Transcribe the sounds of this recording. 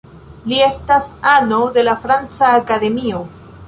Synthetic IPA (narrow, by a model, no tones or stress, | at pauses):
lie̞stasano̞de̞lafɾant͡saːkade̞mio̞